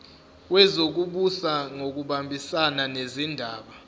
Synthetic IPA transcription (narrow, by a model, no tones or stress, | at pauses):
wɛzok̬uɓusaŋok̬uɓambʱisananezindʱaːɓa